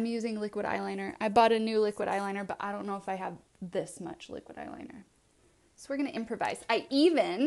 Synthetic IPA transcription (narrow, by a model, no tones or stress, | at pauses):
ɪ̃mjʉzɪ̃ŋlɪkwɨɾa̰ɪlãɪ̃nə˞ʔa̰ɪbɔɾɨnʉlɪkwɨɾʔa̰ɪlãɪnə˞bʌɾaɪɾõʊ̃nːoʊəfaɪəv | ðɪsmʌ̰t͡ʃlɪ̰kwəɾa̰ɪlã̰ɪ̃nə̰˞ | soʊwɨɹɡʌñɨʔɪ̃mpʰɹ̥ɨva̰ɪz̥aɪʔivɪ̃n